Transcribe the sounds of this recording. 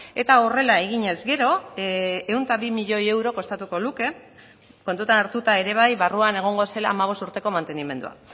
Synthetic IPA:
e̞t̪aore̞lae̞ɣiɲe̞zɡe̞ɾo̞ | ewnt̪aβimiʎo̞je̞wɾo̞ko̞st̪at̪uko̞luke̞ | ko̞nt̪ut̪anaɾt̪ut̪ae̞ɾe̞β̞ajβaruane̞ɣ̞o̞ŋɡo̞se̞la̰ːmaβ̞o̞st̪uɾt̪e̞ko̞mant̪e̞nime̞nd̪ṵa̰

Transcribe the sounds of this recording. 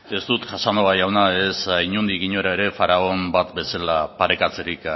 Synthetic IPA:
e̞st̪ut̪ʝasanoβajawnae̞saiɲund̪iɣiɲo̞ɾae̞ɾe̞faɾao̞mbat̪be̞salapaɾe̞kat͡se̞ɾik

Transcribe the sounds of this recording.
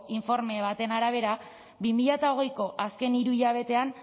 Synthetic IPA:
iɱfo̞ɾme̞β̞at̪e̞naɾaβ̞e̞ɾa | bimiʎat̪ao̞ɣ̞e̞jko̞ʔaske̞niɾuiʎaβ̞e̞t̪e̞an

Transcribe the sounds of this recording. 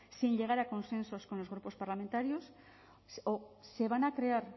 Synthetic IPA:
sĩɲʎe̞ɣ̞aɾako̞nsẽ̞nsoskonozɣɾupo̞spaɾlamẽnt̪aɾjos | oseβ̞anakɾeaɾ

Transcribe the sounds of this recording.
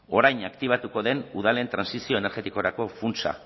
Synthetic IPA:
o̞ɾajnakt̪iβ̞at̪uko̞ðe̞nuð̞ale̞nt̪ɾansisio̞ene̞ɾɣe̞t̪iko̞ɾako̞funt͡sa̰

